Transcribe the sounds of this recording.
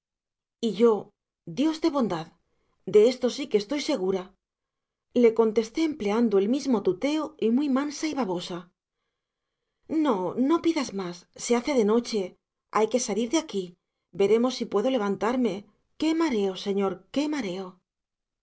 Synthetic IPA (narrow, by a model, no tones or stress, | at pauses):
iʝo̞ | d̪jo̞zðe̞βo̞nd̪að | d̪e̞e̞st̪o̞sikest̪o̞jse̞ɣ̞uɾa | le̞ko̞nt̪e̞st̪e̞ːmple̞and̪oe̞lmizmo̞t̪ut̪e̞oimujmansaiβaβo̞sa | no̞no̞piðazmasːeaθe̞ðe̞no̞t͡ʃe̞ | ajke̞saliɾðeaki | be̞ɾe̞mo̞sːipwe̞ðo̞le̞β̞ant̪aɾme̞ | ke̞maɾe̞o̞se̞ɲo̞ɾke̞maɾe̞o̞